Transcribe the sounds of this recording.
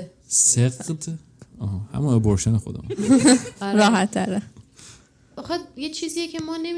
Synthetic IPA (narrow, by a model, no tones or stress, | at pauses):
seɡd̪ | ɒːɦɒhæ̰muneboɾʃenexo̰d̪ḛm | ɾɒːɦæt̪ʰːæɾæ | ɒxejet͡ʃʰiːzijecʰemɒːnem